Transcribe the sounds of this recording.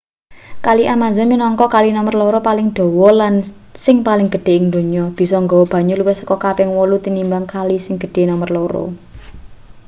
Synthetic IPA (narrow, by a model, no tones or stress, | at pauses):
kaliʔamazaminɔŋkɔkalinɔmərloɾɔpalɪŋd̪̥o̤wɔlan | sɪŋpalɪŋɡ̥ə̤ɖ̥e̤ɪŋd̪o̤ɲɔb̥i̤sɔŋɡɔwɔb̥a̤ɲuluwɪsɔ̥kɔkapɛŋwɔlut̪inimbaŋkalisɪŋɡ̥ə̤ɖ̥e̤nɔmərloɾo̰